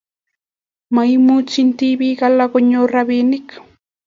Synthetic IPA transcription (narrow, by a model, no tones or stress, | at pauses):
majmut͡ʃɪnt̪ibiɢalaɡoɲoɾaβinɪk